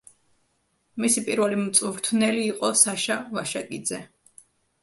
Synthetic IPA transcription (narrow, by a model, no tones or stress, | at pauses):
misipʼiɾvɛlimt̪sʼuvɾt̪ʰnɛliːqʼɔsaʃavaʃakʼid̪zɛ